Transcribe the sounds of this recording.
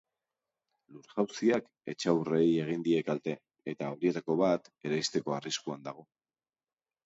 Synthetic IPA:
luɾʝawsiak | e̞̰t͡ʃawre̞je̞ɣ̞ind̪ie̞kalt̪e̞ː | t̪ao̞ɾie̞t̪ako̞βat̪e̞ɾajst̪e̞ko̞ariskuand̪aɣ̞o̞

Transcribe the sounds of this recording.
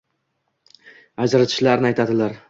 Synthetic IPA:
ad͡ʒɾat̪ʰɪ̥ʃlaɾnɪajt̪ʰad̪ɪlaɾ

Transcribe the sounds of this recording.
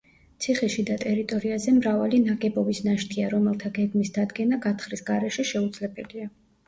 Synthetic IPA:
t̪sʰiχɛʃid̪at̪ʼɛɾit̪ʼɔɾiazɛmɾavalinaɡɛbɔbisnaʃt̪ʰiaɾɔmɛlˠt̪ʰaɡɛɡmisd̪ad̪ɡɛnaɡat̪ʰχɾisɡaɾɛʃɛʃɛud̪zlɛbɛlia

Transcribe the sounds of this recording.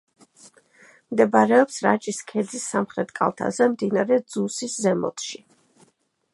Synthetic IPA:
md̪ɛbaɾɛɔpsɾat͡ʃʼiskʰɛd̪zisːamχɾɛt̪ʼkʼa̰lˠt̪ʰa̰zɛmd̪inaɾɛd̪z̥usiszɛmɔ̰t̪ʰʃi

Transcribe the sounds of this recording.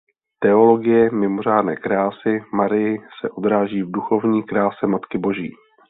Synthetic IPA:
t̪ɛo̞lo̞ɡɪjɛmɪmor̝aːdnɛ̰ːkɾaːsɪmaɾɪjɪsɛʔo̞d̪ɾaːʒiːvduxo̞vɲiːkɾaːsɛmat̪kɪbo̞ʒḭː

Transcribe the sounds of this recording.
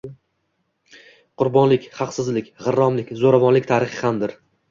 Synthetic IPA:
qʰʊɾbɒnlɪkʲχɑqsɪzlɪkʲʁɨɾːɒmlɪkʲzoɾavɒnlɪk̚ʲt̪ʰaɾɨχɪhamd̪ɪɾ

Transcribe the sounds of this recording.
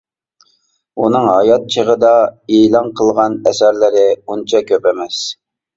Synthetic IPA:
unɨŋɦɑjɑt̪̚t͡ʃʰəʁəd̪ɑilˠɑnqʰəlˠʁɑnɛsæɾlɪɾɪunt͡ʃʰɑkʲʰøpɛmɛs

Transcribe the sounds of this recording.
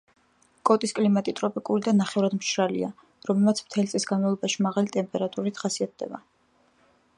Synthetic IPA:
kʼɔt̪ʼiskʼlimat̪ʼit̪ʼɾɔpʼikʼuɾid̪anaχɛvɾad̪mʃɾalḭa̰ | ɾɔmlɛlmat̪sʰmt̪ʰɛlit̪sʼisɡanmavlˠɔbaʃimaʁalit̪ʼɛmpʼɛɾat̪ʼuɾit̪ʰχasiat̪̚d̪ɛ̰ba̰

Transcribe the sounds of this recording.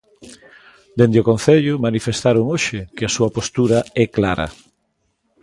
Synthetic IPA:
d̪end̪eokon̟θeʎʊmanifest̪aɾoŋoʃɪkɪasuɐpost̪uɾɐɛklaɾɐ̰

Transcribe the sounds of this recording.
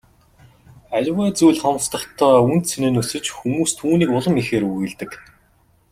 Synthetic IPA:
ajʲwæːt͡sujɮχɔm̆st̪ə̆χt̪ʰɔːun̥t̪sʰenɘ̆nːɵsɵ̆t͡ɕxumuːst̪ʰuːniːkʊɮə̆mixeːɾuɣɘ̆ɮt̪ɘ̆k

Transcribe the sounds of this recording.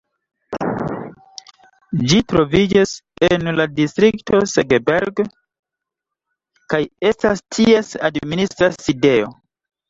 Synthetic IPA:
d͡ʒitɾo̞vid͡ʒasenladistɾikto̞seɡebeɾɡ | kaje̞stastʰie̞sadministɾaside̞o̞̰

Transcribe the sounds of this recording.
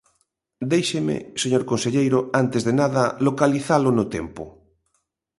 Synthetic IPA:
d̪ejʃemḛseɲoɾkõnseʎejɾʊant̪ezðenaðɐlokaliθalonʊt̪empʊ

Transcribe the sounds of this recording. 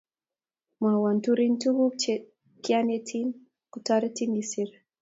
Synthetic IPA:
mawantuɾintuɡu | kjanetʰin | kutaɾitinisiɾ

